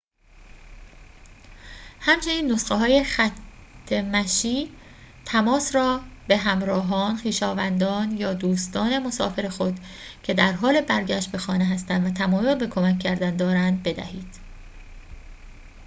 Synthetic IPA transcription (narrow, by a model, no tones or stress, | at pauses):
hæmt͡ʃʰe̞niːnːo̞sɢeɦɒːje̞xæt̪ʰːe̞mæʃiː | t̪ʰæmɒːsɾɒːbe̞ɦæmɾɒːɦɒːnxiːʃɒːvænd̪ɒːnjɒːd̪uːst̪ɒːne̞mo̞sɒːfe̞ɾe̞xo̞d̪ | cʰe̞d̪æɾɦɒːle̞bæɾɟæʃt̪̚be̞xɒːneɦæst̪ænd̪væt̪ʰæmɒːjolbe̞kʰo̞mæcʰːæɾd̪ænd̪ɒːɾænd̪̚be̞d̪æ̰hiːd̪̥